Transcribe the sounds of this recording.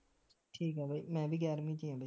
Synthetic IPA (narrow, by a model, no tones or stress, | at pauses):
ʈʰiːkɦɛːbʱaiːmɛ̃ːbʱiːɡɛːɾmĩːt͡ʃĩːãːbʱaiː